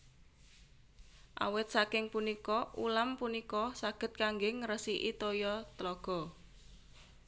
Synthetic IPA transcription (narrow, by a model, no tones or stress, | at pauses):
ʔa̰wɪt̪̚sakɪŋpunikɔulampunikɔsaɡ̥ə̤t̪̚kaŋɡɪŋrəsiʔit̪ojɔt̪lɔɡ̥ɔ̤